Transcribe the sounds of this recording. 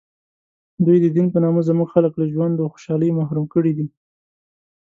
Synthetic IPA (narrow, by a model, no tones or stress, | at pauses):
d̪ujd̪əd̪inpənɑməzəmuɡxaləkləʒwand̪axo̥ʃɑləjmaɦɾumkəɽid̪i